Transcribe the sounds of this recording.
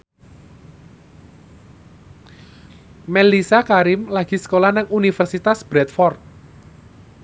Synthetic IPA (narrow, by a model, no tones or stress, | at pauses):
mɛlisakaɾɪmlaɡ̥i̤sə̥kolahnaŋunifɛrsit̪asb̥ɾɛt̪fɔrt̪̚